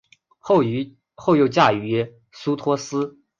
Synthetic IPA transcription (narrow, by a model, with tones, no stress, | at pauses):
xo˥˧ʊjo˥˧ʊt͡ɕja˥˩y˧˥ | su˥t̪ʰwɔ˥sɹ̩˥